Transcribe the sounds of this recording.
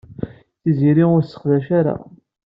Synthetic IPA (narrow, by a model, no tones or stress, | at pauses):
θiziɾiʊɾsːə̥χðæʃaɾa̰